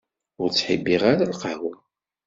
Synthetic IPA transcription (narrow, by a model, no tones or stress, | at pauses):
ʊɾt͡sːħḭbːiʁaɾalqawən